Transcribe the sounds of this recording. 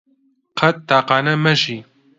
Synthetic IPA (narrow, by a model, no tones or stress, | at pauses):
qʰɐt̪ːaːqaːnɛmɛʒiː